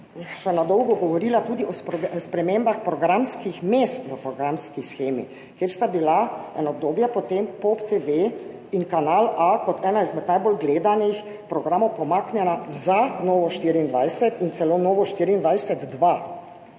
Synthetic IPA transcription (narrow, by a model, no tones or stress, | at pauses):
sɛnad̪ɔwɡɔɡɔʋɔɾiːlat̪uːd̪iʔɔspspɾɛmembaxpɾɔɡɾamskixmest̪ʋəpɾɔɡɾamskisxeːmḭ | kjeɾst̪abilaɛ̰nɔb̚d̪oːbjɛpɔt̪empopt̪eʋe | iŋkanalakɔt̪ʰɛːnaizmɛt̪najbolɡleːd̪anix | pɾɔɡɾaːmɔwpɔmaːknʲjɛnazanoːʋɔʃt̪iːɾiːnd̪ʋajsɛt̪int̪sɛloːnoːʋɔʃt̪iːɾiːnd̪ʋajsɛt̪d̪ʋa